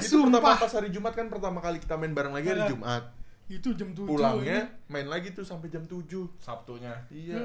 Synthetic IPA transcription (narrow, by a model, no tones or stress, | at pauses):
itupərt̪apapashaɾid͡ʒumat̪̚kanpərt̪amakalikit̪amaɪnbaɾaŋlaɡiɦaɾid͡ʒumʔat̪̚it̪ud͡ʒamt̪upulaŋɲamaɪnlaɡit̪usampad͡ʒamt̪ud͡ʒʊsap̚t̪oɲaija